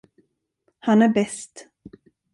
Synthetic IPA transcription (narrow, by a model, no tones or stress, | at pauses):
hanæɾbɛst̪